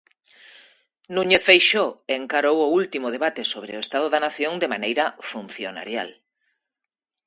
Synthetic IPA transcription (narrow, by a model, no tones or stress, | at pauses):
nũɲefejʃoeŋkaɾowʊult̪imʊð̞eβat̪esoβɾḛʊest̪að̞oðanaθjoŋd̪emanejɾɐfun̟θjona̰ɾja̰l